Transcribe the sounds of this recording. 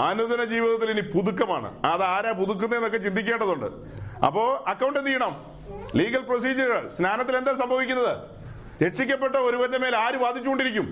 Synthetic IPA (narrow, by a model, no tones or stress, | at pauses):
aːnund̪ɐnɐd͡ʑiːʋiðɐt̪ːilinipuðukːɐma̰ːɳɨ̰aɐːðaːɾaːpuðuk̬ːɐnːeːnokːe̞t͡ɕind̪ʱikʲːe̞ːɳɖɐðuɳɖɨ̰ | ɐ̰pːo̞ːɐkːɐwɳɖɨniːjɐɳɐm | liːɡɐlpros̬iːd͡ʑɐɾɣɐɭsnaːnɐt̪ːile̞nd̪aːmsɐmbʱɐʋikʲːunːɐðɨ | ɾe̞ʈʂikʲːɐpːe̞ʈːɐo̞ɾuʋɐɾnɐme̞ːlaːɾuʋaːd̪ʱit͡ɕːuko̞ɳɖiɾikʲːum